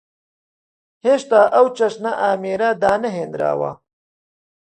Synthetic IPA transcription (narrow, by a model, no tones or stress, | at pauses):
heʂt̪aːʔawt͡ʃɐʂnaʔaːmeːɾaːd̪aːnɐɦeːnd̪ɾa̰ːwa̰ː